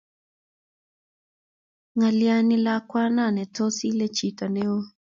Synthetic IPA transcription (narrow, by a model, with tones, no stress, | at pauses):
ŋa˨lja˧ni˧la˦kwa˦na˦˨nɛ˨to˦si˦le˦t͡ʃi˨ta˨nɛ˦o˦